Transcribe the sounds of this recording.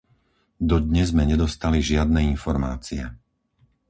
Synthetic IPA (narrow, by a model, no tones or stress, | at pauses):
d̪ɔd̪ɲɛzmɛɲɛd̪ɔst̪aliʒɪad̪̚nɛinfɔɾma̰ːt͡siɛ